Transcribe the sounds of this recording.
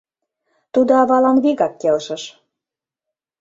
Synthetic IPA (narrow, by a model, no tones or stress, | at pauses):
t̪ud̪oɑβɑlɑnβiɣɑkːelʃə̆ʃ